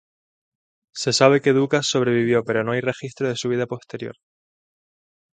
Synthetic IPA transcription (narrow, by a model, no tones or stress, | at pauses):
se̞saβ̞e̞ke̞ðukasːo̞β̞ɾe̞βiβ̞jo̞pe̞ɾo̞no̞ajre̞xist̪ɾoð̞e̞suβ̞iðapo̞st̪e̞ɾjo̞̰ɾ